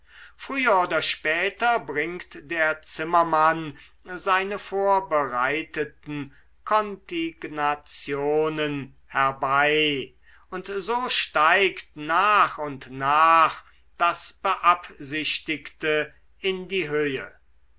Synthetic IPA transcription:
fʁ̥yːɐoːdɐʃpɛːtɐbʁɪŋktd̥eːɐt͡sɪmɐman | zaɪnəfoːɐbəʁaɪtətn̩ | kʰɔntɪɡnat͡sjoːnən | hɛɐbaɪ | ʊntzoːʃtaɪktnaːχʊntnaːχ | d̥asb̥əʔapzɪɕtɪktə | ɪndiːɦøːə

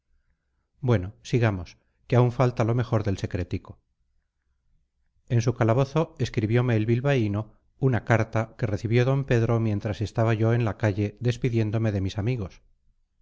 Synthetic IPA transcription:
bwe̞no̞siɣamo̞s | keauɱfalt̪alo̞me̞xo̞ɾðe̞lse̞kɾe̞t̪iko̞ | e̞nsukalaβo̞θo̞e̞skɾiβjo̞me̞ːlβilβaino̞ | unakaɾt̪ake̞reθiβjo̞ðo̞mpe̞ðɾo̞mje̞nt̪ɾase̞st̪aβaʝo̞e̞nlakaʝe̞ðe̞spiðje̞nd̪o̞me̞ðe̞misamiɣo̞s

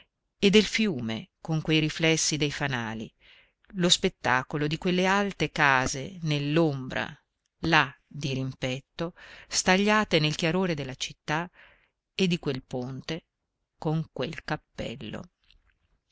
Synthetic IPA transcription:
ed̪ːelfjuːmḛkoŋkwejɾiflɛsːid̪ejfanaːlḭ | lospet̪ːaːkolod̪ikwelːealt̪ekaːzḛnelːombɾa̰ | lad̪iɾimpɛt̪ːost̪aʎːaːt̪enelk̟jaɾoːɾed̪elːat͡ʃit̪ːa | ed̪ːikwelpont̪e | koŋkwelkapːɛ̰lːo̰

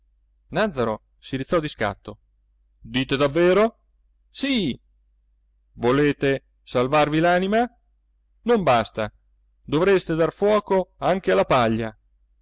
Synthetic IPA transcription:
nad̪zːaɾo | siɾit̪sːɔd̪iska̰t̪ːo | d̪iːt̪ed̪avːeːɾo | si | voleːt̪e | salvarvilaːnima | nombast̪a | d̪ovɾest̪ed̪arfwɔːkoaŋk̟ealːapaʎːa

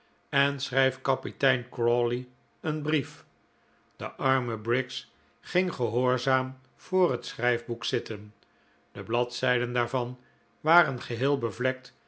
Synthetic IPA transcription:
ɛnsʁrɛjfkɑpitɛjnkrɔli | ənbrif | d̥ə̰ʔɑɹməbrɪks | χɪŋχəɦoːɹzaːm | v̥ʊːrɦətsχrɛjvbuksɪtən | d̥əblɑtsɛjdəndaːɹvɑn | ʋaːrənχəɦɪːlˠbəvlɛk̚t

